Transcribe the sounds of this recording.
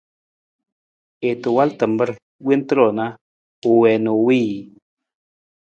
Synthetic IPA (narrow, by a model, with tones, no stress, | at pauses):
e˨t̪u˨wa˦lt̪ə˨mbə˦ɾ | wi˦nt̪ɾo˨na˦ | u˨we˨no˨wi˦ji˨